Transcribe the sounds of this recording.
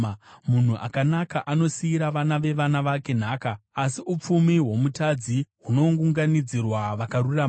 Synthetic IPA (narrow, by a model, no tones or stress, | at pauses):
mun̤uʔa̰kanakaʔano̞siiɾaʋanaʋe̞ʋanaʋake̞n̤aːkaːsiup͡fumiɦwo̞mutad͡ziɦuno̞ŋɡuŋɡanid͡zirwaʋakaruram